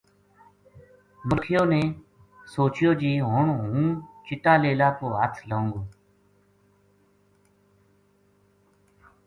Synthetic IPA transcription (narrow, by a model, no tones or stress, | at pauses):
məɾkʰɪjoːnẽː | soːt͡ʃjoːd͡ʒiːɦoːɳɦũːt͡ʃɪʈaːleːlaːkoːɦət̪ʰlõːŋɡoː